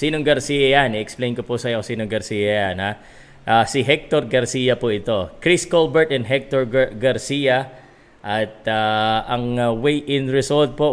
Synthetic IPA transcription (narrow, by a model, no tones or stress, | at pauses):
siːnoŋɡɐɾsiːjɐjanɛʔɛksplejnkopʊsɐjokosiːnoŋɡɐɾsiːjɐjanha | ʔaːsɪɦɛk̚t̪oɾɡɐɾsiːjɐpʊʔɪt̪o̞kɾiskolbɛɹt̪ɛnɦɛk̚t̪oɹɡɐɾsijɐ | ʔɐt̪̚aʔɐŋawejʔɪnɹɪsolt̪̚po